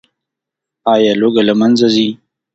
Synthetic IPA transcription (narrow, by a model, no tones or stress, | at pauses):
ɑːjɑloɡalamanzazi